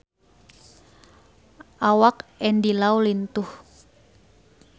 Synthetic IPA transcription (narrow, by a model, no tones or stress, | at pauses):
ʔawakɛndilawlint̪uh